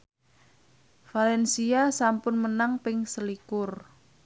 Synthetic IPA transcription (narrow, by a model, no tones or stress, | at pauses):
falɛnsiasampʊnmənaŋpɪŋsəlikʊr